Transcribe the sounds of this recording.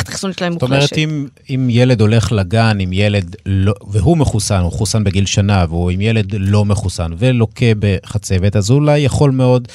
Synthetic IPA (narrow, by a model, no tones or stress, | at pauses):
t̪sonʃlaemtomeʁetim | imjele̞d̪o̞le̞χlaɡanimjele̞dloveɦumeχusanhuχusanbeɡilʃanaveuimjele̞dlo̞me̞χusanve̞lo̞kʰebeχat͡se̞ve̞t̪azulajːaχo̞lmeo̞d